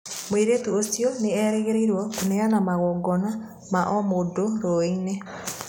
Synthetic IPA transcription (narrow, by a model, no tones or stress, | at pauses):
mweɾetuosiɔneɛɾɛɣeɾeiɾwɔneanamaɣɔːɡɔna | maʔɔmodoɾoine